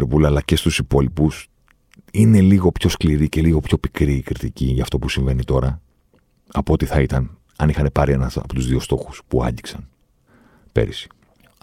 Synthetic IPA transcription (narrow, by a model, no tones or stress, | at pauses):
ɾpulɐlɐce̞st̪usipo̞lipus | ine̞liɣo̞pço̞skliɾice̞liɣo̞pço̞pikɾiːkɾit̪iciʝɐːft̪o̞pusiɱve̞nit̪o̞ɾɐ | ɐpoot̪iθɐit̪ɐn | ɐnixɐne̞pɐɾie̞nɐsɐ̰po̞t̪uzðio̞st̪o̞xu̥spuɐ̰ɲɟiksɐn | pe̞̰ɾisi̥